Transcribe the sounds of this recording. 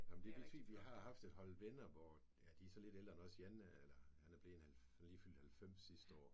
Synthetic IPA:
jɒmn̩d̥eb̥e̝t͡sʰy̰̥ʋiɦɑ̈ɦɑ̈fd̥e̝d̥ɦɒ̽lʋenɐʋɒ | jæd̥iæsɒ̽le̝d̥eld̥ʁɐnɒ̽sienelɐhænæb̥le̝nhæl | nliːfyl̰d̥hælfem̰sːisd̥əɒ̰ː

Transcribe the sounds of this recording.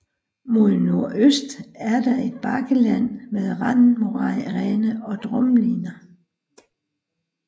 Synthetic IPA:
mo̝ðˠno̝ɐ̰ʔøsd̥æɐd̥ɑ̈e̝d̥̚b̥ɑ̈ɡ̥əlæn̰meðˠʁɑnmoɑʁɛnəɒ̽d̥ʁɔmliːnɐ

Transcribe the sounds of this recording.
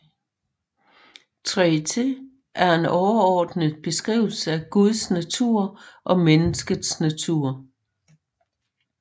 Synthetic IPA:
t͡sʰʁɛt͡sʰe | ʔæɐe̝nɒʊɐɒːd̥nəð̩ˠb̥e̝sɡ̥ʁḭːʊl̩səæɡ̥uðˠsnæt͡sʰuɐ̰ʔɒ̽menəsɡ̥əð̩ˠsnæt͡sʰuɐ̰

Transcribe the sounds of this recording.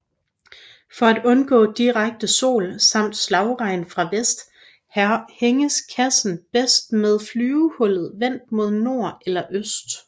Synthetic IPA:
fɒ̽æd̥ɔ̽nɡ̥ɔ̰̽ːd̥iʁaɡ̥̚d̥əso̝̰ːlsɑ̈m̰d̥slɑ̈ʊʁɑ̈ɪ̰nfʁɑ̈ʋesd̥ | hæheŋəskʰæsn̩b̥esd̥með̞ˠflyːʊhɔ̽l̰ð̩ˠʋen̰d̥̚mo̝ð̞̰ˠno̝ɐ̰elɐʔøsd̥

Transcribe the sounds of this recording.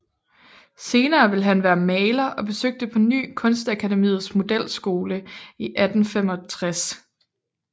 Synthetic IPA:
se̝ːnɐːʋe̝lɦænʋæːɐmɛːlɐʔɒ̽b̥e̝søɡ̥̚d̥əpʰɒ̽ny̰ːkʰɔ̽nsd̥ækʰædemḭːð̩ˠsmo̝d̥el̰sɡ̥o̝ːləiʔæd̥n̩fem̰ɒ̽t͡sʰʁas

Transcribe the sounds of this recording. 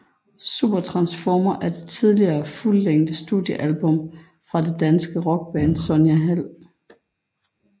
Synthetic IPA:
sṵːb̥ɐt͡sʰʁɑ̈nsfɒːmɐʔæɐd̥e̝t͡sʰið̞ˠliɐːfulːeŋ̰d̥əsd̥ṵðˠjəʔælb̥ɔ̽m | fʁɑ̈d̥e̝d̥ænsɡ̥əʁɒ̽ɡ̥̚b̥æːnsɔ̽njæɦæl̰

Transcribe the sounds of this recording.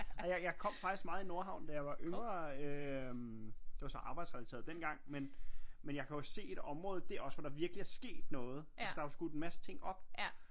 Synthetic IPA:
æjɑ̈ɪjɑ̈ɪkʰɒ̽m̰fɑ̈ɡ̥isɡ̥mɑ̈ːð̩ˠino̝ɐɦɑ̈ʊnd̥æjɑ̈ɪʋɑ̈ʔøŋɐømd̥eʋɑ̈sɒ̽ʔɑ̈ːb̥ɑ̈ɪ̥sʁɛælise̝̰ɐðˠd̥enɡ̥ɑ̈ŋ̰menmenjɑ̈ɪkʰæoɒsse̝̰ːe̝d̥ɒ̽mʁɔ̽ːð̩ˠd̥e̝æɐɒ̽sʋɒd̥ɑ̈ʋiɐɡ̥liæɐsɡ̥e̝̰ːd̥nɔ̽ːð̞̩ˠæsd̥ɑ̈ʋɑsɡ̥ud̥enmæsə̥t͡sʰe̝ŋ̰ɒ̽b̥

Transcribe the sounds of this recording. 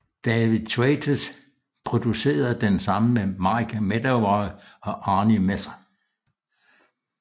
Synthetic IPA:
d̥ɛʋiðˠt͡sʰet͡sʰəs | pʰʁo̝d̥use̝̰ːɐð̩ˠd̥ensɑ̈məmemɑ̈kʰæmed̥ɐʋɒɪɒ̽ʔɑ̈ːnimesɐ

